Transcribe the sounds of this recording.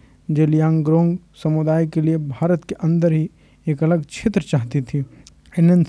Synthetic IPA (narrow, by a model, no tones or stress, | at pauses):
d͡ʒelijãːŋɡɾõːŋɡ | sɐmʊd̪aːjkeliebʱaːɾət̪keʔɐ̃nd̪əɾɦi | eːkɐləɡt͡ʃʰeːt̪ɾət͡ʃaːɦt̪it̪ʰi | ɪnən